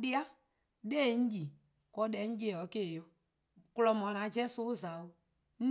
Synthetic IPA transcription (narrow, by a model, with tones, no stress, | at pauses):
di˦a˦ | de˦˨n̩˦d͡ʒi˨ | kɔ˦dɛ˨˦n̩˦d͡ʒe˦˨ɔ˨˦ke˦˨jo˦ | klɔ˨mɔ˨nã˨˦d͡ʒɛ˦su˦za˨u˦ | n̩˦